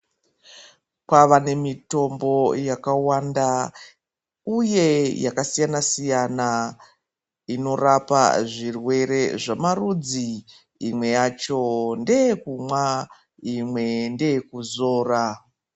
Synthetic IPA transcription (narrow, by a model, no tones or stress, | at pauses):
kwaʋane̞mito̞mbo̞jakawanda | uje̞jakasijanasijana | ino̞rapa̰ʐirwe̞ɾe̞ʐamarud͡ziː | mwe̞jat͡ʃo̞nde̞kumwa | imwe̞nde̞kuzo̞ːra